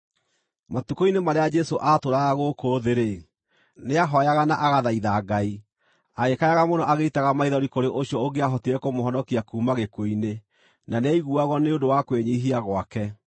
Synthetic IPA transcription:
matukoinemaɾead͡ʒɛsoʔatoɾaɣaɣokoːðeɾe | neaɦɔjaɣanaʔaɣaðaiðaːɡai | aɣekajaɣamonɔʔaɣeitaɣamaiðɔɾikoɾeʔoɕiɔoɡeaɦɔtiɾɛkomoɦɔnɔkiakuːmaɣekoine | nanɛiɣuaɣwɔneondowakweɲeiɦiaɣwakɛ

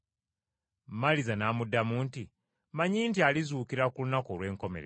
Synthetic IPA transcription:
mmalizanaːmudːamuːnti | maɲiːntializuːkiɾakulunakolwe̞ːŋko̞me̞̰ɾe

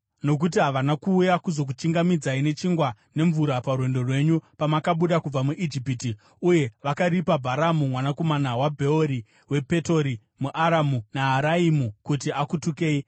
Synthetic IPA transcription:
no̞k̬ut̬iɦaʋanakuːjakuzo̞k̬ut͡ʃiŋɡamid͡zaine̞t͡ʃiŋɡwa | ne̞ɱvuɾaparwe̞ndo̞rwe̞ɲupamakaɓuɗakub͡vamuʔid͡ʒipiti | uje̞ʋakaɾipabʱaɾamumwanako̞manawabʱe̞oɾi | we̞pe̞to̞ɾi | muʔaɾamunaɦaɾaimukutiakutuke̞ːi

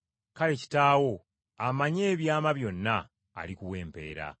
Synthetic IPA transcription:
kale̞ci̥taːwo̞ | amaɲe̞ːβjaːmaβjo̞nːa̰ː | likuwe̞ːmpe̞̰ːɾa̰

